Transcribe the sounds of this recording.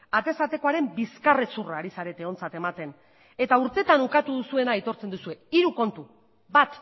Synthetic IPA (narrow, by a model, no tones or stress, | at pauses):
at̪e̞sat̪e̞ko̞aɾe̞mbiskaresuraːɾisaɾe̞t̪e̞o̞nt͡sat̪e̞mat̪e̞n | e̞t̪auɾt̪e̞t̪anukat̪uðusue̞nait̪o̞ɾt͡se̞nd̪usue̞iɾuko̞nt̪u | βat̪